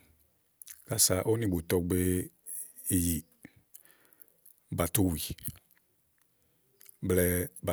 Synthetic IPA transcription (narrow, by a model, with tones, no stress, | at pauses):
ka˨sa˨ʔo˦nĩ˨ɡ͡bo˨tɔ˧ɡ͡be˦ | i˨ji˨ | ba˨to˦wi˨ | blɛ˦ba˨